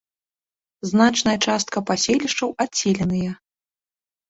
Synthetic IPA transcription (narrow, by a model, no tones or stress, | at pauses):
znat͡ʂnɐjɐt͡ʂast̪̚kɐpasʲeɛlʲiʂt͡ʂɐwat͡sʲːɛlʲɛnɨjɐ